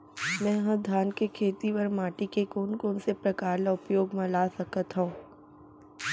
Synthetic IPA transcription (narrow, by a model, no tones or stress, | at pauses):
mɛ̃ːɦə̃d̪ʱaːnkekʰeːt̪iʋɐɾmaːʈikekoːnkoːnsepɾɐkaːɾlaʊpjoːɡmãlaːsɐkət̪ɦõː